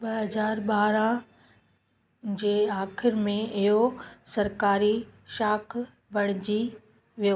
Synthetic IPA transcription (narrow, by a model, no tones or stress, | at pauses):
ɓɐɦɐzaːɾɓaːɾã | d͡ʑeːaːxɪɾmẽɪɦosɐɾkaːɾiʃaːkʰ | bʱɐɽ̃ɪd͡ʑi | ʋijo